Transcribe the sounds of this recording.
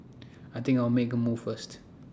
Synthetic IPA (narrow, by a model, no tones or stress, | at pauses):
aɪt̪ɪ̃ŋkaɪwmekəmuv̥fəst